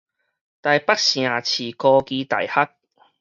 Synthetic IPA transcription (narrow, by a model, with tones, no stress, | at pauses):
t̪a˨˧jpɐ˥k̚siː˨˩aː˨˩t͡sʰiː˨˩kɔː˧kiː˧t̪ɐ̰˨˩jhɐ˥k̚